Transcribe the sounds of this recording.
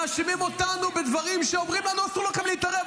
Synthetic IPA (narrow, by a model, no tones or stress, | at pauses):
aʃimimo̞t̪anube̞d̪vaʁimʃeomʁimlanuasulokamliit̪aʁe